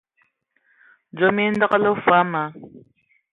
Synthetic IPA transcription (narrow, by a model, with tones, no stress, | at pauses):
d͡ʒome˦ndɨ˦qəlɐ˦wfa˦ma˨